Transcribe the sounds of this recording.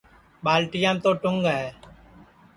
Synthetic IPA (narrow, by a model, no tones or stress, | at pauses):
ɓaːlʈɪjãːt̪oːʈʊŋɡɦɛː